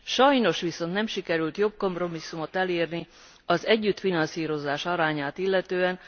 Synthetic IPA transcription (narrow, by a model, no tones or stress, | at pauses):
ʃɒjno̞ʃʋiso̞nt̪nɛmʃikɛɾylt̪jo̞b̚ko̞mpro̞misːumo̞t̪ɛleːrni | ɒzɛɟːyt̪finɒnsiːɾo̞zaːʃɒɾaːɲaːt̪ilːɛt̪øːɛn